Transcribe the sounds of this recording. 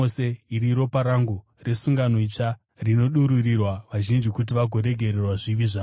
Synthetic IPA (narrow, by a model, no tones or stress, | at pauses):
oseiɾiɾo̞paɾaŋɡu | re̞suŋɡano̞it͡ʂa | rino̞ɗuɾurirwaʋaʒind͡ʒikut̬iʋaɡʱo̞ɾe̞ɡʱe̞rerwaʐiʋiʐaː